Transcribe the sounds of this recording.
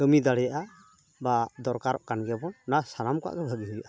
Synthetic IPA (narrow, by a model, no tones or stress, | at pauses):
ɡəmid̪aɽɛjaʔa | bad̪ɔɾkaɾɔʔkanɡɛbɔnːasanamka̰ʔɡɛbʱəɡiɦɯjaʔa